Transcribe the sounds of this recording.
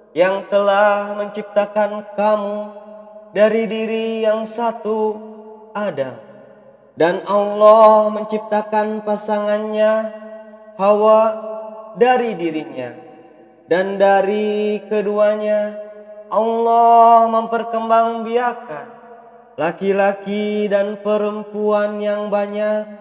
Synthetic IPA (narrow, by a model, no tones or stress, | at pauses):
jaŋt̪əlahməɲt͡ʃip̚t̪akankamu | daɾidiɾijaŋsat̪u | ada̰ | danawlɔhməɲt͡ʃip̚t̪akanpasaŋanɲa | hawa | daɾidiɾiɲa̰ | dandaɾikəduaɲaʔalɔhməmpərkəmbaŋbiaka | lakilakidanpəɾəmpuanjaŋbaɲak̚